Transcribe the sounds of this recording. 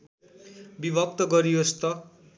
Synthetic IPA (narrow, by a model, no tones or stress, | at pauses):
bibʱʌp̚t̪ʌɡʌɾiost̪ʌ